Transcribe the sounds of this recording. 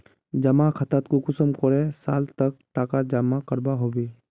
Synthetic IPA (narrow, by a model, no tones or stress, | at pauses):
d͡ʒɐmakʰət̪aːt̪kokʊsəmkɔɾẽsa̰ːlt̪ɐk̚ʈaːkad͡ʒaːmːakəɾbaɦobiː